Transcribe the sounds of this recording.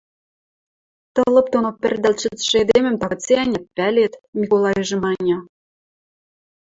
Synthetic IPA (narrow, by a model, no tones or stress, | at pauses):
t̪ɤ̆lɤ̆p̚t̪onopʲɘ̆rd̪ælt͡ɕɘ̆t̪ʃɘ̆ed̪emɘ̆mt̪ɑɣɤ̆t͡seænʲæt̪̚pælʲet̪mʲikolˠɑjɘʒɤ̆mɑnʲɑ